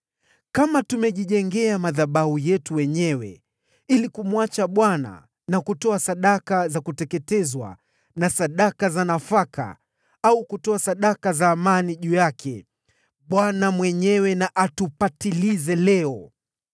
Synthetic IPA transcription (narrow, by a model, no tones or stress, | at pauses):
kamatumɛʄiʄɛŋɡɛamaðaɓahujɛtuwɛɲɛwɛ̰ | ilikumuat͡ʃaɓwana̰ | nakutɔasaɗakazakutɛkɛtɛzwa̰ | nasaɗakazanafaka̰ | aukutɔasaɗakazaːmaniʄujakʰɛ | ɓwanamwɛɲɛwɛnaʔatupatilizɛlɛɔ